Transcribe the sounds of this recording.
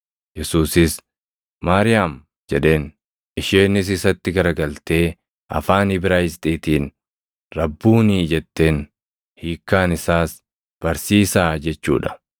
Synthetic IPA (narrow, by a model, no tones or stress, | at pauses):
jɛsuːsɪs | maːɾɪjaːm | d͡ʒɛᶑe̞ːn | ɪʃeːnɪs̬ɪsɐt̪ːɪɡɐɾɐɡɐlt̪e̞ː | ʔɐ̰faːnɪbɪɾaːjɪst̪ʼiːt̪iːn | ɾɐbːuːniːd͡ʒɛt̪ːeːn | hiːkːaːnɪsaːs | b̥ɐɾsiːsaːd͡ʒɛt͡ʃːṵːᶑɐ̥